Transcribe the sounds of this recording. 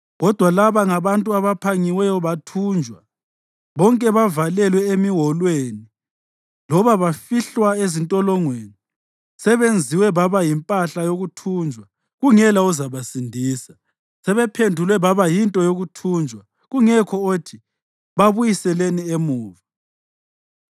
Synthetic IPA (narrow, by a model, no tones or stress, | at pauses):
ɣɔd̥ʱwalaβaŋaβantʼuaβapʰaŋiwɛjɔβatʰuːnd͡ʒʱwa | βɔŋkʼɛβavalɛlwɛemiɦɔlweni | lɔβaβafiɬwaezintʼɔlɔŋweːni | sɛβend͡zʱiwɛβaβajimpʼaɬajoɣutʰuːnd͡ʒʱwa | ɣuŋɛlauzaβasindʱiːsa | sɛβɛpʰendʱulwɛβaβajintʼɔjoɣutʰuːnd͡ʒʱwa | ɣuŋɛkʰɔotʰi | βaβujisɛleniemuːva